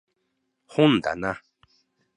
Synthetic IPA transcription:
hũnd̪a̰nã

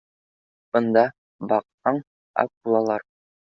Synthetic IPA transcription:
b̥ɤ̆nd̪ɑ | bɑq̚tɑɴ | æ̰kulˠɑlˠɑɾ

